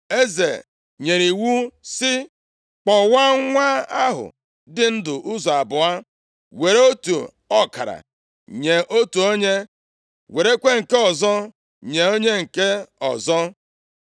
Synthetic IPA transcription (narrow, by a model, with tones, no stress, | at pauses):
e˦zḛ˨ | ɲe˨ɾi˨wu˦sɪ˦ | k͡pɔ˨wa˦ŋʷa˦a˦ɦʊ̰˨ | dɪ˦n̩˦dʊ˨ʔʊ˦zɔ˨a˨bʊ˨a˦ | we˨ɾe˦o˦tṵ˨ | ɔ˦ka̰˨ɾa̰˨ | ɲe˨ʔo˦tu˨o˦ɲe˦ | we˨ɾe˦kʷe˦ŋ̩˨ke˦ɔ˨zɔ˦ | ɲe˨o˦ɲe˦ŋ̩˨ke˦ɔ̰˨zɔ˦